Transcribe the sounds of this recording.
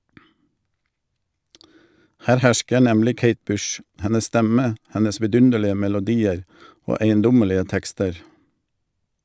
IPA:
ˈhæːɾ ˈhæʃkə ˈnɛmlɪ ˈkeɪt ˈbʉʃ ˈhɛnəs ˈstɛmə ˈhɛnəs ʋɪˈdʉndəlɪə mɛlʊˈdiːəɾ ˈoː æɪənˈdʊməlɪə ˈtɛkstəɾ

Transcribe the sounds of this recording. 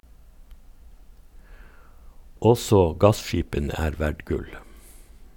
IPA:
ˈɔsɔ ˈɡɑsˌʃiːpənə ˈæːɾ ˈʋæɖ ˈɡʉl

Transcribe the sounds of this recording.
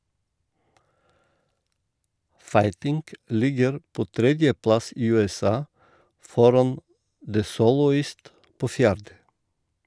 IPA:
ˈfɑɪtɪŋk ˈlɪɡəɾ ˈpoː ˈtɾɛdjəˌplɑs ˈiː ˌʉːɛˈsɑː ˈfɔɾɑn də ˈsoːlɔˌiːst ˈpoː ˈfjæːɾdə

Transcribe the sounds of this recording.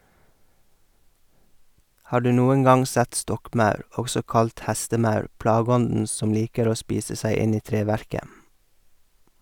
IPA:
ˈhɑː ˈɖʉː ˈnuːəŋ ˈɡɑŋ ˈsɛt ˈstɔkˌmɑʉɾ ˈɔɡsɔ ˈkɑlt ˈhæstəˌmɑʉɾ ˈplɑːˌɡɔndn̩ ˈsɔm ˈliːkəɾ ˈoː ˈspiːsə ˈsæɪ ˈɪn ˈiː ˈtɾeːˌʋæɾkə

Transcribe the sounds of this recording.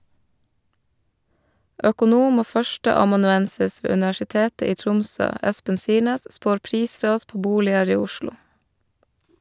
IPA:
œkʊˈnuːm ˈoː ˈfœʃtəɑmɑnʉˌɛnsɪs ˈʋeː ʉnɪʋæʃɪˈteːtə ˈiː ˈtɾʊmsøː ˈɛspən ˈsiːɳeːs ˈspoːɾ ˈpɾiːˌsɾɑːs ˈpoː ˈbuːlɪəɾ ˈiː ˈʊʃlʊ

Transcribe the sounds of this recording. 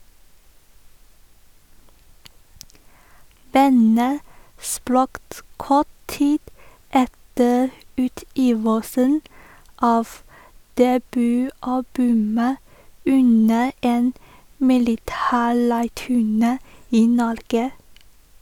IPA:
ˈbɑnə ˈspɾɑkt ˈkɔt ˈtiːd ˈɛtə ˈʉːˌtiːʋəsən ˈɑːʋ dɛˈbyːˌɑbʉmə ˈʉnə ˈeːn mɪlɪˈtæːˌɭæɪʈʉˌɳeː ˈiː ˈnɔɾɡə

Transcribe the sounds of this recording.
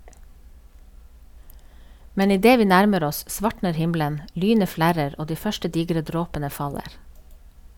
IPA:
ˈmɛn ɪˈdeː ˈʋiː ˈnæɾməɾ ˈɔs ˈʔsʋɑʈɳəɾ ˈhɪmlən ˈʔlyːnə ˈflæɾəɾ ˈoː ˈdiː ˈfœʃʈə ˈdiːɡɾə ˈdɾoːpənə fɑˈleːɾ

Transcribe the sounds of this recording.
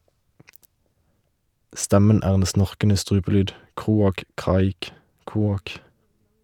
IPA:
ˈstɛmən ˈæːʁ ˈeːn ˈsnɔʁkənə ˈstʁʉːpəˌlyːd ˈkʁuːɑk ˈkʁɑːɪk ˈkuːɑk

